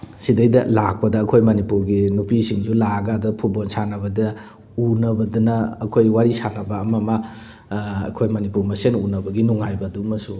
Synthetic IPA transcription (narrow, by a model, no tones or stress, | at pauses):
sidɐjdɐ̰lak̚pɐdɐːkʰojmɐnipuɾɡinupisiŋzulaɡadɐpʰubonsanɐβɐdɐ | unɐbɐdunɐːkʰojwaɾisanɐbɐːmɐmɐ̰ː | kʰojmɐnipuɾmɐsenunɐbɐɡinuŋajbɐdumɐsu